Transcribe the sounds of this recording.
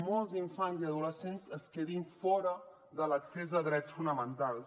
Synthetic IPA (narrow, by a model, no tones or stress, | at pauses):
mɔlˠziɱfanziəðuləsenzəskeðinfɔɾə | ðələksezəðɾɛt͡sfunəmənt̪alˠs